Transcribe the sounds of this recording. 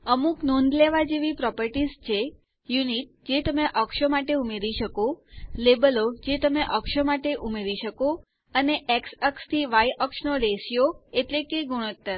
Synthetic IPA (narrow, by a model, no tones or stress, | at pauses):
əmuknɔ̃nd̪leʋad͡ʒeʋipɾɔpəɾʈizt͡ʃʰe | juniʈ̚d͡ʒet̪əmeʔəkʃəmaʈeumeɾiʃəkolebəlod͡ʒet̪əmeʔəkʃomaʈeʔumeɾiʃəko | əneʔeksəkst̪ʰiʋajəksnoɾesijoeʈlekeɡuɽ̃ət̪ːəɾ